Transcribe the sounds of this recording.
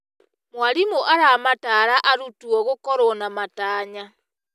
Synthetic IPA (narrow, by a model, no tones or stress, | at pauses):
mwaɾimoʔaɾamataːɾaʔaɾutuɔɣokɔɾonamataːɲa